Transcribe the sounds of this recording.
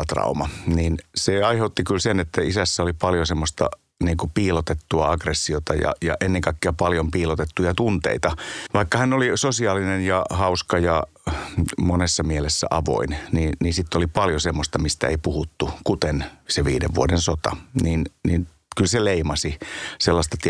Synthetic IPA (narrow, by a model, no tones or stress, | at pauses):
t̪rɑ̰umɑniːnseɑiheut̪ːikylsenet̪ːæisæsːæolipɑljosemːost̪ɑ̰ | niːŋkupiːlot̪et̪ːuɑɑɡresːiot̪ɑjɑ̰jɑ̰ʔenːeŋkɑikːeæpɑljompiːlot̪et̪ːujɑt̪unt̪ḛit̪ɑʋɑikːɑhænolisosiɑːlinenjɑhɑuskɑjɑ | monesːɑmielesːæ̰ʔɑʋo̰inniːnniːnsit̪ːolipɑljosemːost̪ɑmist̪æ̰ḛipuhut̪ːukut̪enseʋiːdḛʋʋṵodensot̪ɑ̰niːnniːn | kylseleimɑsiselːɑst̪ɑt̪